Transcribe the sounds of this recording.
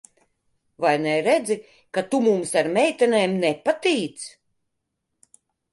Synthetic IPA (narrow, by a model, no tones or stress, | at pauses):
vajnɛɾɛd̪zi | kat̪umumsaɾmɛjt̪ɛneːmnɛpat̪iːt̪s